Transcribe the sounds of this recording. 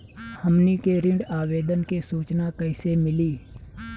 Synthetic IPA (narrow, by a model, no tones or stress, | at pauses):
həmnekeɾɪ̃ɳɖaːʋeːd̪ənkesuːt͡ʃnakɐɪsemɪliː